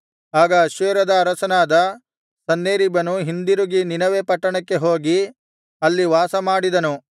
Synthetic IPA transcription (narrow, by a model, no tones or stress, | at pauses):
aːɡɐːʃʋeːɾɐd̪ɐːɾɐsɐnaːd̪ɐ | sɐnːeːɾibɐnuɦind̪iɾuɡininɐʋepɐʈːɐɳɐkːe̞ɦo̞ːɡi | ɐlːiʋaːsɐmaːɽid̪ɐnu